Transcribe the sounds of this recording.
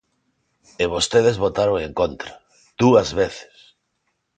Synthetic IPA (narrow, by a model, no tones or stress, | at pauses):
eβ̞ost̪eð̞ezβot̪aɾoeŋkont̪ɾḁ | d̪̥uɐzβeθe̥s